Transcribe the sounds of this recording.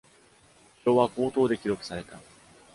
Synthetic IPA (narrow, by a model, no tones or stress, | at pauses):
ɕo̞βako̞ːt̪o̞ːd̪e̞kʲiɾo̞kɯ̟̥saɾe̞t̪a